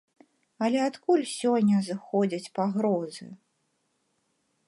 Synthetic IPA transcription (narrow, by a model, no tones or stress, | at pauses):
ɐlʲɛat̪kulʲsʲɔnʲːɐzɨxɔd͡zʲɐt͡sʲpaɣɾɔzɨ̰